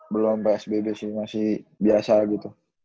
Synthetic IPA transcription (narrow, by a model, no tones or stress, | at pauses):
bəlʊmpeɛsbebesimasɪhbiasaɡit̪u